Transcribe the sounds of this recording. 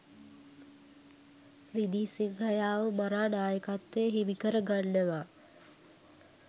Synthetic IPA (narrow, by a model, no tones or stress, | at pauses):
ɾid̪iːsiŋhajaːʋəmaɾaːnaːjəkat̪ʋeɦiʋikəɾəɡanːəʋa